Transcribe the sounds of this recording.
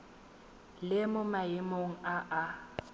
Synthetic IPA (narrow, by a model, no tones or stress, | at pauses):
lɪmʊmaɪmoŋ̩aʔa